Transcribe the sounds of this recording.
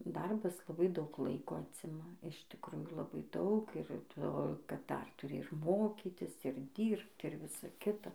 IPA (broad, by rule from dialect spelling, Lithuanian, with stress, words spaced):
ˈdɐrbɐs lˠɐˈbɐɪ dɐʊk ˈlˠɐɪkoː ˈɑːt͡sʲɪmɐ ɪʃ tʲɪkˈruːjuː lˠɐˈbɐɪ ˈdɐʊk ɪr ˈtoː kɐt ˈdɐr tʊˈrʲɪ ɪr ˈmoːkʲiːtʲɪs ɪr ˈdʲiːrpt ɪr ˈʋʲɪsɐ ˈkʲɪtɐ